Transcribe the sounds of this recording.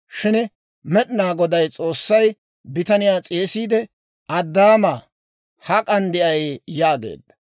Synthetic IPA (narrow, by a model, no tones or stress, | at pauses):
ʃɪn | mɛɗnaːɡɔd̪ɐjt͡sʼo̞ːsːɐj | bɪt̪ɐnɪjaːt͡sʼeːsiːd̪ɛ | ɐd̪ːaːmaː | hɐkʼɐnd̪ɪʔɐjjaːɡḛːd̪ːɐ̥